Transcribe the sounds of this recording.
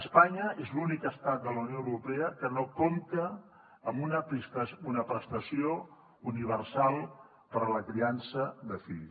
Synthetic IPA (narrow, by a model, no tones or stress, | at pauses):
əspaɲəezlunikəst̪at̪̚d̪ələwnioəwɾupɛəkənokomt̪əː | munəpist̪əsunəpɾəst̪əsio | uniβ̞ərsalˠ | pəɾələkɾiansəðəfi